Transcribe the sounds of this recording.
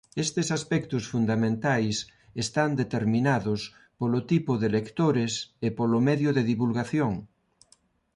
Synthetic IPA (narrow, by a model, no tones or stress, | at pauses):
est̪esaspɛkt̪ʊsfund̪amẽnt̪ajs | est̪and̪et̪eɾmĩnaðʊs | polot̪ipʊðelekt̪oɾesepolomɛðjʊðeðiβulɣaθjoŋ